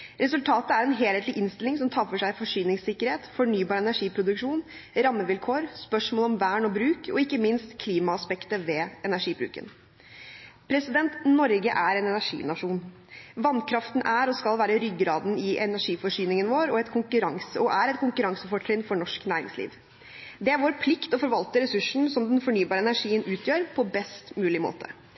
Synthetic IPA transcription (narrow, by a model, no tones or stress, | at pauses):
ɾɛsʉlt̪ʰɑːt̪əæɾɛnɦeːleːt̪lɪʔɪnst̪ɪlɪŋsɔmt̪ʰɑːfɔʂæɪfɔʂyːnɪŋssɪkːəɾheːt̪fɔɳyːbɑːɾɛnæʂiːpʰɾʊd̪ʉkʂuːnɾɑmːəʋɪlkʰoːɾspœʂmoːlɔmʋæːɳɔbɾʉːkʰɔ̰ɪkːəmɪnst̪kʰliːmɑɑspɛkt̪əʋɛɛnæʂiːbɾʉ̰ːkə̰n | pʰɾɛsɪd̪ɛnt̪nɔɾɡəʔæɾɛnɛnæʂḭːnɑʂuːn | ʋɑnkʰɾɑft̪n̩ʔæɾɔskɑlʋæːɾəɾʏɡɾɑːd̪n̩ɪʔɛnæʂiːfɔʂyːnɪŋənʋoːɾɔɛt̪kʰʊŋkʉɾɑŋsəɔʔæɾɛt̪kʰʊŋkʉɾɑŋsəfɔʈʰɾɪnfɔɳɔʂknæːɾɪ̰ŋslḭːʋ | d̪ɛæɾʋoːɾpʰlɪkt̪ɔfɔɾʋɑlt̪əɾɛsʉʂɳ̩sɔmd̪ɛnfɔɳyːbɑːɾəɛnæʂiːənʉːt̪ʰjøːɾpʰɔbɛst̪mʉːlɪmo̰ːt̪ə